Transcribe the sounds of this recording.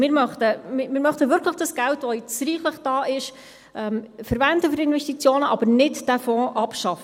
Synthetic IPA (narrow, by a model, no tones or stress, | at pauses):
mɪːɾmœχt̪əmɪmɪːɾmœχt̪əʋʏɾkləχd̥ɑsɡ̥æltʋɔjɪt͡sɾiːχləχd̥ɑːʔɪʃ | ʔɛmfəɾvændəfyɾɪnvɛstit͡sjoːnəʔɑbəɾnɪtd̥æfɔ̃ːʔɑpʃɑf